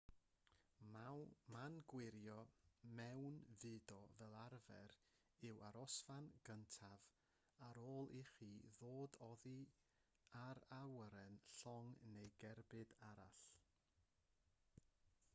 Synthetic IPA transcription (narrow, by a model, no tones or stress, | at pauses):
manɡwɪɾjɔmɛwnvɨːdɔvɛlˠarvɛɾ | ɨwaɾɔsfanɡ̥əntʰav | aɾoːlˠiχiːðoːdɔði | aɾawɾɛnɬɔŋnejɡɛrbɨdaɾa̰ɬ